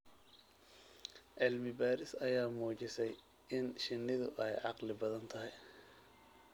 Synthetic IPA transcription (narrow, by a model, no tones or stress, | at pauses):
ʔɪlmɪbaːɾɪsɐjaːmuːt͡ʃɪsɛj | ɪnʃɪnːɪðʊ̰ʔɛjʕɑqlɪbɐðɐnt̪ʰɐɦɪj